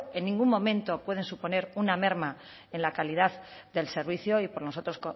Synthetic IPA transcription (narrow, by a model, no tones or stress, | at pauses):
e̞nːĩŋɡumːõ̞mẽ̞nt̪o̞pwe̞ð̞e̞nsupo̞ne̞ɾuname̞ɾma | e̞nlakaliðaððe̞lse̞ɾβ̞iθjo̞ipoɾno̞so̞t̪ɾo̞sko